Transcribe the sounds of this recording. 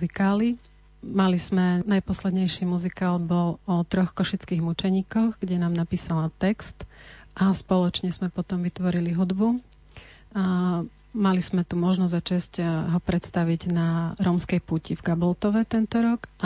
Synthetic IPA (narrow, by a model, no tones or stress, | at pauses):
zikaːli | maliz̥mɛnajpɔslɛd̪ɲɛjʃiːmuzikaːlbɔlɔt̪ɾɔxkɔʃit͡skiːɣmut͡ʃɛɲiːkɔxɡɟɛnaːmnapiːsalat̪ɛkst̪ʔaspɔlɔt͡ʃɲɛz̥mɛpɔt̪ɔmʋit̪ʋɔɾiliɦud̪bu | maliz̥mɛt̪umɔʒnɔzzat͡ʃɛscɦɔpɾɛt̪st̪aʋiɟnaɾɔːmskɛjpuːcivɡabɔlt̪ɔʋɛt̪ɛnt̪ɔɾɔkʔa